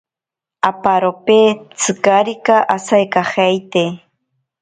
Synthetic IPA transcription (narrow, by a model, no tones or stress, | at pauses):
apaɾopet͡sɨkaɾikaʔasajkaχajt̪e